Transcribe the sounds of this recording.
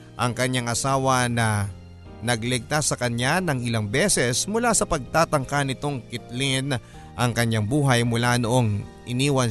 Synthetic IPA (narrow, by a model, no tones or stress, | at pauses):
ʔɐŋkɐɲaŋʔɐsaːwɐnɐ | nɐɡlɛɡ̚t̪asːɐkɐɲːanɐŋɪlaŋbɛːsɛsmʊlasɐpɐɡ̚t̪aːt̪ɐŋkanɪt̪o̞ŋkɪt̪lɪn | ʔɐŋkɐɲːaŋbuːɦɐjmʊlanoʔo̞ŋʔɪniːwɐn